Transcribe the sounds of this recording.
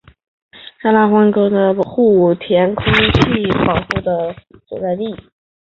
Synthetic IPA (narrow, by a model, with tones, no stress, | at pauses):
ʂa˥la˥˩xwa˥ŋko˥d̪ə˧xu˥˩t̪ʰjɛ˧˥nkʰʊ˥ŋt͡ɕʰi˥˩pɑ˨˩ʊxu˥˩d̪ə˩swɔ̰˨˩t͡sa˥˧ɪli˥˩